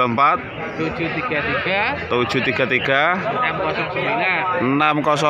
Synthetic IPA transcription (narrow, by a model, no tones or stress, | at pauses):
əmpat̪̚ | t̪u̥d͡ʒ̥ut̪iɡ̥a̤t̪iɡ̥aːud̥ʒ̥ṳt̪iɡ̥a̤t̪iɡ̥anamkɔsɔŋsəmbilaənamkɔsɔ